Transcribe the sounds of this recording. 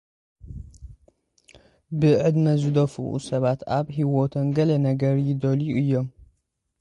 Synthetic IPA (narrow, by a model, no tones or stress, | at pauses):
bɨʕɨd̪mɐzɨd̪ɐfṵʔṵsɐβat̪aβɦiwot̪ʰɐnɡɐlɐnɐɡɐɾjɪd̪oluʔɨjːom